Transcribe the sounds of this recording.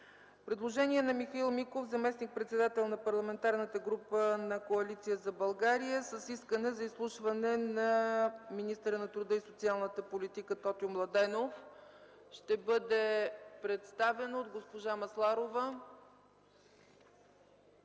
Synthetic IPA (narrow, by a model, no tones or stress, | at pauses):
pɾɛd̪lˠoʒɛniɛnɐmixɐilˠmikofzɐmɛsnik̚pɾɛt̪sɛd̪at̪ɛlˠnɐpɐɾlˠɐmɛnt̪aɾnət̪əɡɾupənɐkoɐlit̪sijəzɐbɐlˠɡaɾijəsəsiskənɛzɐislˠuʃvɐnɛnɐminist̪əɾənɐt̪ɾud̪ɤisot̪sialˠnət̪əpolit̪ikət̪ɔt̪iomlˠɐd̪ɛnof | ʃt̪ɛbɤd̪ɛpɾɛt̪st̪avɛnood̪ɡospoʒamɐslˠaɾovə